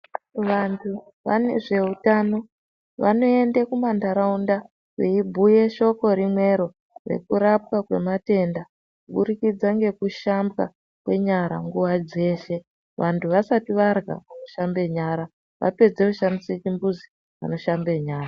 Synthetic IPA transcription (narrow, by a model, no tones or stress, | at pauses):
ʋantʰu | ʋa̰ne̞ʐe̞utaːno̞ | ʋano̞e̞ndekumandaɾaunda | weibʱuje̞ʃo̞ko̞ɾimwe̞ɾo̞ | re̞̰kuɾap̚kakwe̞̰mate̞nda | kuɓuɾikid͡zaŋɡe̞kuʃambɣa | kwe̞ɲaɾa̰ŋɡuʋad͡ze̞ːʃe̞ | ʋantʰuʋasatiʋarɣa̰ʋano̞ʃambe̞ɲaːɾa | ʋa̰pe̞d͡zekuʃandiset͡ʃimbuzi | ʋa̰no̞ʃambe̞ɲaːra